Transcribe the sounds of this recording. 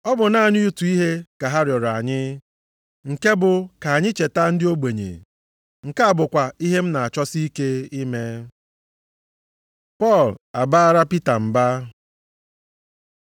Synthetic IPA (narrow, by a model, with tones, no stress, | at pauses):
ɔ˦bʊ˨na˨ɲɪ˦u˦tu˨i˦ɦe˦ka˨ɦa˦ɾjɔ˨ɾa˨ɲɪ˦ | ŋ̩˨ke˦bʊ˨ka˨a˨ɲɪ˦t͡ʃe˨ta˦n̩˦dɪ˦o˦ɡ͡be˨ɲḛ˨ | ŋ̩˨ka˦a˦˨bʊ˨kʷa˨i˦ɦe˦m̩˦na˨a˨t͡ʃɔ˦si˦ke˦i˦me˦ | pɔ˦˨la˨ba˦a˦ɾa˦pi˦ta˨m̩˨ba˦